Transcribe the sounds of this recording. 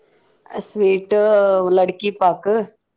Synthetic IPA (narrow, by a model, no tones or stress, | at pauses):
sʋiːʈləɽkipak